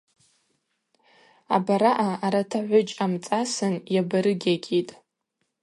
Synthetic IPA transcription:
a̰baɾaʔaːɾatʰaʕʷʊt͡ʃʼamt͡sʼasɨnjabaɾɨɡʲaɡʲitʼ

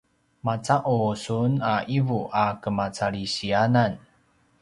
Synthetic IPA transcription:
mat͡saʔusunaʔivuʔakəmat͡saɭisianan

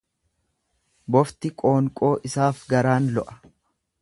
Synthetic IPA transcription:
bɔft̪ɪkʼo̞ːŋkʼo̞ːʔɪsaːfɡɐɾaːnlɔʔɐ̥

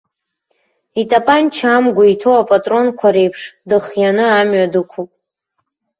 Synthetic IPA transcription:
itʼapʼant͡ʃʰamɡʷaitʰowapʼatʼro̞nkʷʰaɾe̞jpʰʂdɨχjanɨamɥadɨkʷʰupʼ

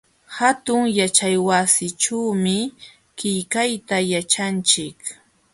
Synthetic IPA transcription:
hat̪ʊŋjat͡ʃajwasɪʈ͡ʂawmɪ | kɪjkajt̪ajat͡ʃant͡ʃɪk

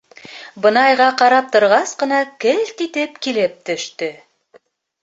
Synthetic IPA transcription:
bɤ̆nɑjʁɑqɑɾɑp̚t̪ŏɾʁɑsqɤ̆nɑkɘlt̪it̪ɘpkilɘp̚t̪ɵ̆ʃt̪ɵ

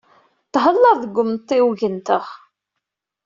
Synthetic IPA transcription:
t̪ːɦəlːəɾˤðəɡʷːʊmt̪ˤːiwʝənt̪əʁ

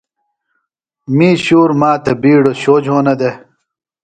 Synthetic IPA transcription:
miːɕuːɾmaːt̪ʰɐbiːɽoɕoːd͡ʑɦoːnɐd̪e

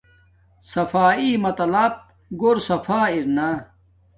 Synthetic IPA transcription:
sɐfaːiːmɐt̪ɐlap̚ | ɡoɾsɐfʰaːiɾna

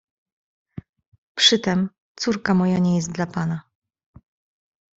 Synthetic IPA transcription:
pʂɘt̪ɛm | t̪suɾkamɔjaɲɛjɛst̪̚d̪lapana

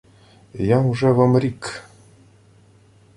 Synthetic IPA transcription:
jɑmuʐevɤ̆mrʲik

